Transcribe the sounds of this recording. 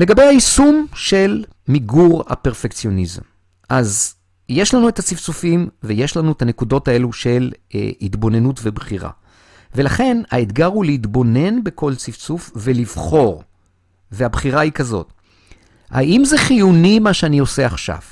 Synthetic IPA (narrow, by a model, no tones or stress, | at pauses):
le̞ɡabe̞jaisumʃe̞lmiɡuʁha̰peʁfe̞kt͡sijo̞nizḛm | ʔaz | je̞ʃlanuetat͡sift͡sufimveje̞ʃlanuetane̞kudo̞tae̞luʃe̞l̰hitbo̞ne̞nutvebχiʁa̰ | ve̞laχe̞na̰et̪ɡaʁuleitbo̞ne̞nbe̞kʰo̞lt͡sift͡sufvelivχo̞ʁ | veabχiʁaikazo̞̰t | ha̰ʔimzeχijunimaʃeanio̞se̞aχʃa̰v